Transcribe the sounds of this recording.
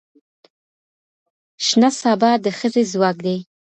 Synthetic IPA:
ʃnasɑbɑd̪əxəzezwɑk̚d̪ej

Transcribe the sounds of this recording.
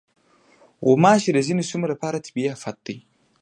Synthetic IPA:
umaːʃidazinisumɾapaɾatʰi̥bijafat̪ːi

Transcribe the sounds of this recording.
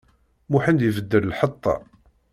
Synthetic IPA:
muħənd̪ivəd̪ːəɾlħət̪ˤːɑ̰

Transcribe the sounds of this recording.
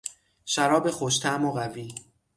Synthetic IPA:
ʃæɾɒːbe̞xoʃt̪ʰæmoɣæviː

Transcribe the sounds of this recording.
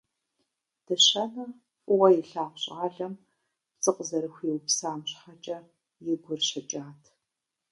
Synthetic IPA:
d̥ɨɕɐnɐ | fʼʊwɐjɪɬaːqɕʼaːɮɐm | pt͡sʼɨqʼzɐɾɨxʷiːwpsaːmɕħat͡ʃʼɐ | jɪɡʷʊrɕɐt͡ʃʼaːtʰ

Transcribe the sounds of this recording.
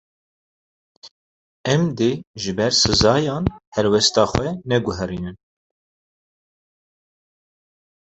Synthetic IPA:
ɛmd̪eʒɨbɛɾsɨzɑːjɑːnhɛɾwɛst̪ɑːxʷwɛnɛɡʊɦɛɾiːnɨn

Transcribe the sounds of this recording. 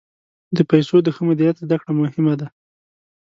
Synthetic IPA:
d̪əpajsod̪əxəmʊd̪ijat̪zd̪akɽamʊhɪmad̪a

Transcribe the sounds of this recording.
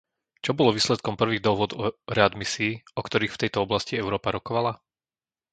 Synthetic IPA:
t͡ʃɔbɔlɔʋiːslɛt̪kɔmpr̩ʋiːɣd̪ɔɦʋʊɔd̪ɔɾɛad̪misiːɔkt̪ɔɾiːxft̪ɛjt̪ɔɔblasciɛʊɾɔːpaɾɔkɔʋala

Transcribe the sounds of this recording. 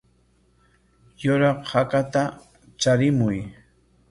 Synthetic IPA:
jʊɾɑqhakat̪a | t͡ʃaɾɪmʊj

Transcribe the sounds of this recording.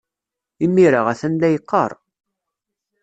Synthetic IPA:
imːiɾaʁæθænlæjəqːɑ̰ɾˤ

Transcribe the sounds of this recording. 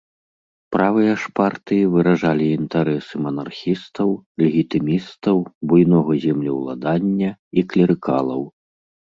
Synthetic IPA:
pɾavɨjɐʂpart̪ɨjivɨɾaʐalʲiːnt̪aɾɛsɨmɐnarxʲist̪ɐwlʲɛɣʲit̪ɨmʲist̪ɐwbujnɔɣɐzʲɛmlʲiwlˠa̰d̪anʲːɐiklʲɛɾɨkʰa̰lˠɐw

